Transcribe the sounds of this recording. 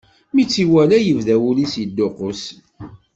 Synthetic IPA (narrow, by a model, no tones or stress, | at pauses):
mit͡sːiwælæjəvðæwulisjəd̪ːʊqʊs